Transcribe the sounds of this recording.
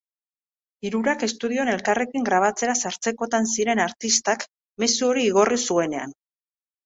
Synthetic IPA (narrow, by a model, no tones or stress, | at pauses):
iɾuɾake̞st̪uð̞io̞ne̞lkare̞kiŋɡɾaβ̞at͡se̞ɾasaɾt͡se̞ko̞t̪ansiɾe̞naɾt̪ist̪ak | me̞suo̞ɾiːɣ̞o̞risue̞ne̞a̰n